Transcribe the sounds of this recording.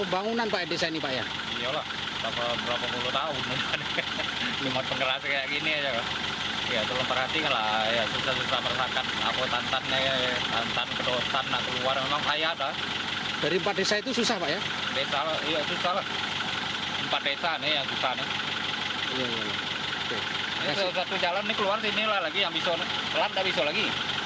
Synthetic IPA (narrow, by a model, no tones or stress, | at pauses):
pəmbaŋunanpaʔjadesainipaʔja | ijalah | dapabəɾapapuluht̪aʊuan | imat̪̚pəŋəɾaskajaʔkiniad͡ʒaka | jat̪əlompərhat̪ikanlajasusahsusahmərsakana̰pət̪ant̪anːajat̪a̰nt̪ankədot̪anːaʔk̪əluwaɾmemaŋsajaːda | d̥aɾiəmpat̪̚desait̪ususahpaʔja | desalajasusahlah | əmpat̪̚desanejasusahne | jajaja | oke | niassat̪ud͡ʒalanːɪkəluarsinilalaɡijaŋbisɔnɪ | t̪əlan̚d̪aʔbisɔlaɡi